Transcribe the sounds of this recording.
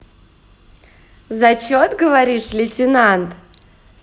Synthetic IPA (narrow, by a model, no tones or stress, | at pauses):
zɐt͡ɕot̪ɡəvɐɾʲiʂlʲɪtʲɪnant̪